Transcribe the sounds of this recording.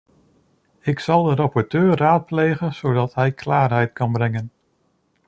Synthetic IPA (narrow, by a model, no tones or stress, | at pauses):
ɪksɑlˠdəɾapɔɹtøːraːt̚pleːɣənsoːdɑtɦɛjkʰlaːrɦɛjtkɑnbrɛŋən